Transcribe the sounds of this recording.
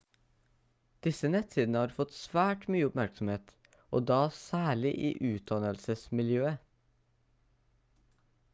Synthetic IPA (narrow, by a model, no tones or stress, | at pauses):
d̪̥ɪsənɛt̪ʰiːd̪n̩əhɑːɾfɔt̪sʋæːʈmyːəʊpmæɾksɔm̩heːt̪ | ʔo̰ːd̪ɑːsæːɭɪʔḭːʔʉːt̪̚d̪ɑnəlsəsmɪljøːə